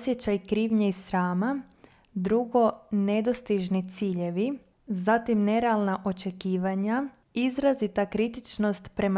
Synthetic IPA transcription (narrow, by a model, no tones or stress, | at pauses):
sjet͡ɕajkɾiːʋɲeisɾaːma | d̪ɾuɡo̞ne̞d̪ost̪iʒnit̪siːʎe̞ʋi | zat̪imne̞ɾealˠnaʔo̞t͡ʃe̞kiːʋaɲa | izɾazit̪akɾit̪it͡ʃno̞st̪pɾe̞ma